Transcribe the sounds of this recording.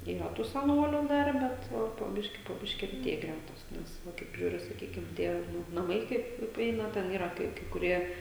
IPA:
iːˈrɐ tuː sʲɛˈnoːlʲʊ ˈdɐr ˈbʲɛt ˈpoː poː ˈbʲɪʃʲkʲiː poː ˈbʲɪʃʲkʲiː rʲɛˈtʲeːjɛ ˈɡrʲætoːs ˈnʲɛs ˈʋɐ kɐɪp ˈiːrɐ sɐˈkʲiːkʲɪm ˈtʲiɛ ˈnʊ nɐˈmɐɪ ˈkɐɪp pʲrʲɪˈɛɪnɐ ˈtʲɛn ˈiːrɐ kɐɪ kɐɪ kʊˈrʲiɛ

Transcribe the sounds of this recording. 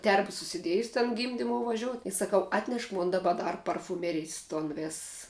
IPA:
ˈtʲɛrbɐ sʊsʲɪˈdʲiɛjʊs tʲɛn ˈɡʲiːmʲdʲɪmoːʊ ʋɐˈʒʲoːʊt ɪ sɐˈkɐʊ ɐtʲˈnʲɛʃ ˈmoːn dɐˈbɐ ˈdɐr pɐrfʊˈmʲæːrʲɪjs ˈtoːn ˈʋʲeːss

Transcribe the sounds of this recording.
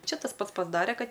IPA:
ˈt͡ʃʲɛ tɐs ˈpɐts pɐzˈdɑːrʲɛ ˈkɐt

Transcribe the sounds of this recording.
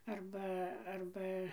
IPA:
ˈɐrbɐ ˈɐrbɐ

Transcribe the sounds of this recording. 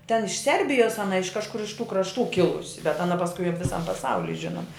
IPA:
tʲɛn ɪʃ ˈsʲɛrʲbʲɪjoːs ɐˈnɐ ɪʃ kɐʃˈkʊr ɪʃ tuː krɐʃˈtuː ˈkʲɪlˠʊsʲɪ bʲɛt ɐˈnɐ pɐsˈkʊɪ ɐp ʋʲɪˈsɐm pɐˈsɐʊlʲɪ ˈʒʲɪnoːmɐ

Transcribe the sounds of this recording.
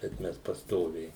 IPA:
bʲɛt ˈmʲɛs pɐsˈtoːʋʲɛɪ

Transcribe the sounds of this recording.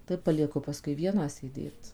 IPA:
tɐɪ pɐlʲiɛˈkʊ pɐˈskʊɪ ˈʋʲiɛnɑː sʲeːˈdʲeːt

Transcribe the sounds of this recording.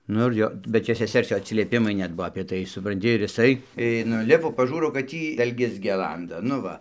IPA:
ˈnʊ ɪr ˈjoː bʲɛt ˈt͡ʃʲɛ sʲɛˈsʲɛrs ˈjoː ɐtʲsʲɪlʲiɛˈpʲɪmɐɪ ˈnʲɛt ˈbuɔ ɐpʲiɛ ˈtɐɪ sʊprɐnʲˈtʲɪ ɪr jɪˈsɐɪ ɪ nʊˈlʲɪpoː pɐˈʒuːroː kɐt ˈtʲiː dɐlʲˈɡʲɛs ɡʲɛˈlˠɐndɐ nʊ ˈʋɐ

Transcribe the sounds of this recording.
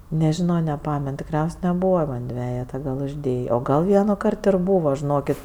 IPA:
nʲɛˈʒʲɪnoː nʲɛˈpɑːmʲɛn tʲɪkˈrʲɛʊsʲ nʲɛˈbuːʋɐ ˈmɐn ˈdʲʋʲæːjɛtɐ ɡɐlˠ ʊʒʲˈdʲeːjeː oː ˈɡɐlˠ ˈʋʲiɛnʊˌkɐrt ɪr ˈbuːʋɐ ʒʲɪˈnoːkʲɪt

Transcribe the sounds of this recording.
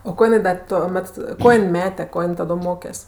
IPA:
oː ˈkoː jɪˈnɐɪ dɐ toːˈmʲɛt ˈkoː jɪn ˈmʲæːtʲɛ ˈkoː jɪn ˈtɑːdoː ˈmoːkʲɛsʲ

